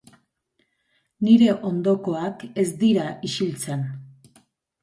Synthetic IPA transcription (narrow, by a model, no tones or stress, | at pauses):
niɾe̞ʔo̞nd̪o̞ko̞ake̞zd̪iɾaʔiʃilt͡sen